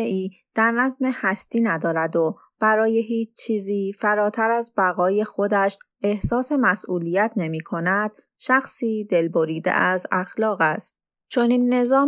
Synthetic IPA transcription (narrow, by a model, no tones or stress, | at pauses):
eiːd̪̥æɾnæzme̞hæst̪ʰiːnæd̪ɒːɾæd̪o | b̥æɾɒːje̞ɦiːt͡ʃt͡ʃʰiːziːfæɾɒːt̪ʰæɾæzbæɣɒːje̞xod̪æʃ | e̞hsɒːse̞mæsʔuːlijæt̪ʰne̞miːkʰo̞næd̪̥ | ʃæxsiːd̪e̞lboɾiːd̪ḛʔæzæxlɒːɣæst̪̚ | t͡ʃʰo̞niːnːe̞zɒː